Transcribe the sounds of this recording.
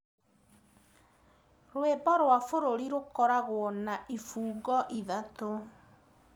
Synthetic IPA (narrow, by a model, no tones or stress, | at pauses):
ɾwebɔɾwafoɾoɾiɾokɔɾaɣoɔnaʔifuːɡɔʔiðato